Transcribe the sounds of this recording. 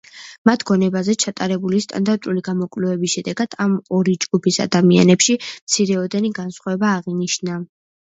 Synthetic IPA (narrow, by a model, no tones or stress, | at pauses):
mat̪ʰɡ̥ɔnɛbazɛt͡ʃʰat̪ʼaɾɛbulist̪ʼa̰nd̪aɾt̪ʼuliɡamɔkʼlɛvɛbisʃɛd̪ɛɡad̪̥ʰamɔɾid͡ʒɡupʰisa̰d̪amia̰nɛpʃimt̪sʰiɾɛɔd̪ɛniɡansχwaɛbaːʁiniʃna